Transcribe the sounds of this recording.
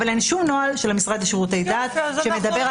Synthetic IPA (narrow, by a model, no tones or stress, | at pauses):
valenʃumno̞alʃelamisʁad̪aʃeʁut̪e̞jd̪aːt̪ʃe̞me̞d̪abeʁ